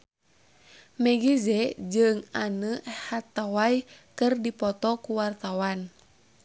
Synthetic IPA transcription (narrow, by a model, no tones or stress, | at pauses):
mɛɡizɛd͡ʒɨŋanəhat̪awajkɨrdipɔt̪ɔkuwart̪awan